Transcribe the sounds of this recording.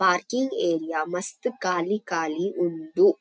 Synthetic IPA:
paːɾkiŋɡeːɾijaːmɐst̪kaːlikaːliʔuɳd̪u

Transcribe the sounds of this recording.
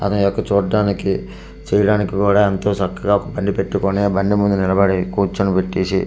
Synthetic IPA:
ɐ̰t̪ɐnujɔkːɐt͡ʃuːɽɖaːniki | t͡ʃɛːjɐɽaːnikːikuːɽaːent̪o̞ːt͡ʃɐkːɐɡaːɔkɐbɐɳɖipe̞ʈːukonebɐɳɖimund̪unilɐbɐɽikuːt͡ʃːɐnupeʈːiːsi

